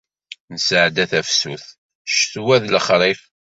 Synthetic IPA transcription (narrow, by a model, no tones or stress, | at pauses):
nəsʕd̪æθæfsuθ | ʃθwæðləχɾˤif